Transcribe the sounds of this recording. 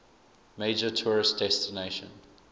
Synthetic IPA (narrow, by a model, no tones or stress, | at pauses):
meɪd͡ʒətʰɔːɹɪst̚dɛstineɪʃə̰̃n